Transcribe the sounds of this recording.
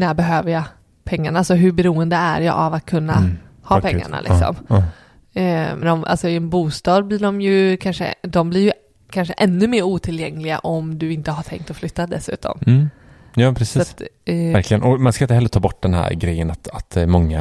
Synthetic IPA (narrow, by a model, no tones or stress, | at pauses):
næːɾbɛɦøːvəjɑ | pʰɛŋːaɳaalsɔɦɵbɛɾuːənd̪əæ̰ɾjɑ̰ʔavat̪̚kʰɵnːa | hɑːpʰɛŋːa̰ɳa̰lɪ̰ksɔ̰mː | md̪ɔmʔa̰lsɔɪɛnbuːst̪ɑːd̪̚blɪːɖɔmjɵkʰanʂə̰d̪ɔmblɪɾjɵ | kʰanʂəʔɛnːɵmeːɾuːt̪ʰɪljɛŋlɪɡa̰ʔɔmd̪ɵɪnt̪əɦaʈ̪ʰɛ̰ŋkt̪ɔflʏt̪ːad̪ɛsʉ̟ːt̪ʰɔ̰mː | jɑːpʰɾɛsiːsat̪æɾkʰlɪə̰nɔmanskaɪnt̪əhɛlːəɾt̪ʰɑːbɔʈːd̪ɛnhæ̰ːɾɡɾɛjːənat̪at̪mɔŋːa̰